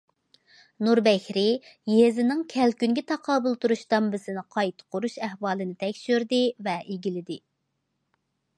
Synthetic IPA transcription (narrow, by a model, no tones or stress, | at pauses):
nuɾbɛkʲɾɪjezɪnɪŋkʲʰɛlkʲynɡʲɛt̪ʰɑqʰɑːbulˠt̪uɾuʃd̪ɑmbɪsɪnɪqʰɑjt̪ʰqʰʊɾuʃæhwɑːlˠɨnɪt̪ʰɛkʲʃyɾd̪ɪvɛʔeɡʲilɪd̪ɪ